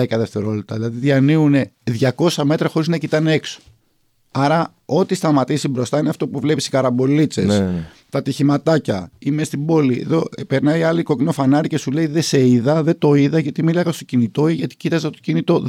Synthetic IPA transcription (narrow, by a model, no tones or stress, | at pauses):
ikɐðe̞ft̪e̞ɾo̞let̪ɐðilɐðiðʝɐniune̞ðʝɐko̞sɐme̞t̪ɾɐxo̞ɾiznɐcit̪ɐneekso̥ | ɐɾɐ | o̞t̪ist̪ɐmɐt̪isibɾo̞st̪ɐineɐft̪o̞puvle̞pisi̥kɐɾɐbo̞lit͡se̞s | t̪ɐt̪içimɐt̪ɐcɐime̞st̪ibo̞liḛðo̞pe̞ɾnɐiɐliko̞cino̞fɐnɐɾice̞suleiðese̞iðɐðet̪o̞iðɐʝɐt̪imilɐɣɐst̪o̞cinit̪o̞iʝɐt̪i̥cit̪ɐzet̪ocinit̪o̞